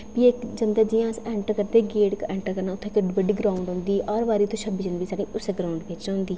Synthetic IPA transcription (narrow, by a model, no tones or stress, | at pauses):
piekd͡ʒənd̪ɛːd͡ʒɪjãːsɛ̃ːɳʈəɾkəɾd̪eːɡeːʈkɛ̃ːɳʈəɾkəɾnaːʊt̪ʰːẽːkəɖiːbəɖiːɡɾaːũɳɖɦʊ̃nd̪iːɔɾʋaːɾiːt̪ʰõʃəbid͡ʒənbiːsaːɽĩːʊseɡɾaːʊ̃ɳɖbɪt͡ʃɦʊ̃nd̪iː